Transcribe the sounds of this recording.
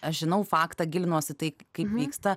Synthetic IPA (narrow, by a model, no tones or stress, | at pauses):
ɐʃʒʲɪnɐʊfɑːkt̪ɐɡʲɪlʲɪnoɔsʲɪt̪ɐɪkɐɪpʋʲiːkst̪ɐ